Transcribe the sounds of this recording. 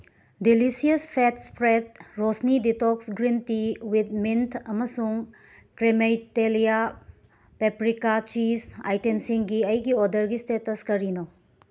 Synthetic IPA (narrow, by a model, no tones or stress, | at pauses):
dilisiɐspʰetspɾed̚ɾosniditɔksɡɾintiwid̪̚mintʰɐmɐsuŋ | kɾemejtelija | pepɾikat͡ʃisa̰jtemsiŋɡiɐjɡiɔdɐɾɡistetɐskɐɾino